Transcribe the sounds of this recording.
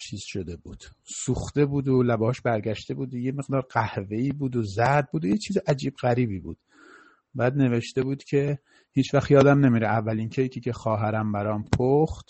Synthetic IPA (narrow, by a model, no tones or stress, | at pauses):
t͡ʃʰiːz̥ʃo̞d̪e̞buːd̪̥suːxt̪e̞buːd̪olæbɒːʃbæɾɡæʃt̪e̞buːd̪ojemeɣd̪ɒːɾɢæhve̞iːbuːd̪ozæd̪̚buːd̪ojet͡ʃʰiːzeʔæd͡ʒiːbɣæɾiːbiːbṵːd̪̥ | bæːd̪ne̞ve̞ʃt̪e̞buːd̪̥cʲʰe̞ | hiːt͡ʃvæxjɒːd̪æmne̞miːɾɛævːælincʰejkʰʲiːcʲʰexɒːɦæɾæmbæɾɒːmpʰoxt̪